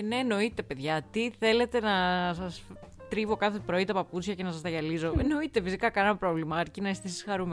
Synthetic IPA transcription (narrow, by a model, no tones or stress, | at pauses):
neːno̞it̪e̞pe̞ðʝɐt̪iθe̞le̞t̪e̞nɐsɐs | t̪ɾivo̞kɐθe̞pɾoit̪ɐpɐput͡sçɐce̞nɐsɐst̪ɐʝɐlizo̞eno̞it̪e̞fisikɐkɐnenɐpɾo̞vlimɐːɾcinɐist̪eisisxɐɾum